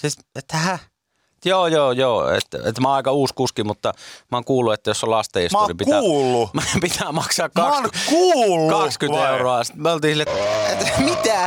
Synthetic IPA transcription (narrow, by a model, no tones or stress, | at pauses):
siset̪ːæhæ | joːjoːjoːḛt̪ːæ̰ḛt̪ːmɑɑˑikɑuːskuskimut̪ːɑmɑːˑŋkuːlːˑuet̪ːæjosːollɑst̪eˑsmnimpik̪æːlːumpit̪ʰæːmɑksɑːkkɑnkuːlːkuɑskyneˑuroɑsit̪molt̪iːsilːet̪ːet̪ːmit̪æ